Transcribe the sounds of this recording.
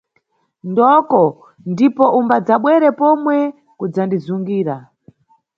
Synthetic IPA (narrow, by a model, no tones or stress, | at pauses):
ndɔkɔ | ndipɔʔumbad͡zaɓwɛɾɛpɔmwɛ | kud͡zandizuŋɡiːɾa